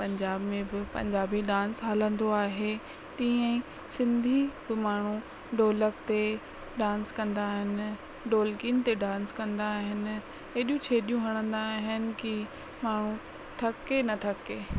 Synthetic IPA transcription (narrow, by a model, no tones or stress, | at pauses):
pɐ̃ɲd͡ʑaːbmẽbɪpɐ̰̃ɲd͡ʑaːbiɗãːnsɦaːlə̃nd̪oaːɦe | t̪ĩə̃ĩ | sɪ̃nd̪ʱibɪmaːɳ̤u | ɖoːləkt̪e | ɖãːnskɐ̃nd̪aːɦɪnɪ̆ | ɖoːlkiːnt̪eɖãːnskɐ̃nd̪aːɦɪnɪ̆ | eːɗijũt͡ɕʰeːɗijũɦɐɽ̃ə̃nd̪aːɦɪnɪ̆ki | maːɳ̤u | t̪ʰɐkenɐt̪ʰɐkeː